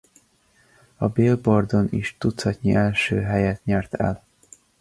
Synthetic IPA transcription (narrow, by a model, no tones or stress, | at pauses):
ɒbeːlbord̪o̞nḭʃt̪ut̪shɒt̪ɲiʔɛlʃøːɦɛjɛt̪ɲɛrt̪ɛ̰l